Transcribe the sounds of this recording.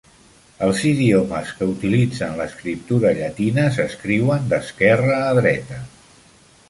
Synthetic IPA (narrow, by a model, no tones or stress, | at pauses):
əlˠziðioməskəut̪ilid͡zənləskɾip̚t̪uɾəʎət̪inəsəskɾiwənd̪əskɛrəːðɾɛt̪ə